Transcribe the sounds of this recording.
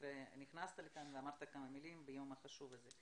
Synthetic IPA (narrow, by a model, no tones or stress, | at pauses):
ɾeniχnast̪alekanveamaɾt̪akamamilimbejomaχaʃuvaze